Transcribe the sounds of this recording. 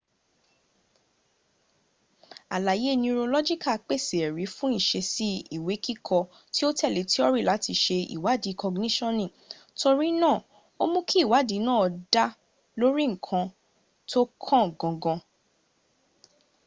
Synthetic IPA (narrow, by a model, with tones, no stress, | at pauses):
a˨la˨je˨˦˨nĩĩ˧ɾo˧lɔ˦d͡ʒi˦ka˦˨k͡pe˦˨se˨ɛ˨ɾi˨˦fũ˦i˦˨ʃe˧si˦i˦˨we˨˦ki˦kʰɔ˧ | ti˦o˦tɛ˦˨le˨ti˦ɔ˦ɾi˦˨la˨˦ti˧ʃe˧ḭ˨wa˨˦di˨˦kʰɔ˧ɡnĩ˦ʃɔ̃˦nĩ˦˨ | to˧ɾi˦nãː˦˨ | o˦mũ˦kʰi˦˨wa˨˦di˨˦nã˦˨ɔ˧da˦ | lo˦ɾi˦ŋ̩˨kʰã˧ | tʰo˦kʰɔ̃˦˨ɡɔ̃˨ɡɔ̃˧